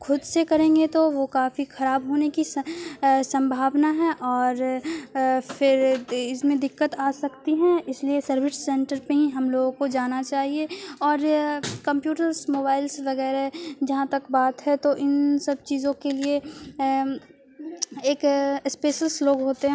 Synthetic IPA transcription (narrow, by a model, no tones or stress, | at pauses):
xʰʊd̪sekɐɾẽːŋɡet̪oʋokaːfixɐɾaːbɦoːneki | sɐ̃mbʱaːʋnaɦɛ̃ʔɔːɾ | fʰɪɾɪsmẽd̪ɪkːət̪aːsɐkt̪iɦɛ̃ɪsliesɐɾʋɪsːɛ̃ɳʈəɾpeɦĩɦɐmloːɡõkod͡ʒaːnat͡ʃaːɦieɔːɾkɐ̃mpjuːʈəɾsmoːbaːɪlsʋɐɣɛːɾɦɛd͡ʒɐɦãt̪ɐkbaːt̪ɦɛt̪oʔɪnsɐb̚t͡ʃiːzõkelie | eːkɪspeːʃəlsloːɡɦoːt̪eɦɛ̃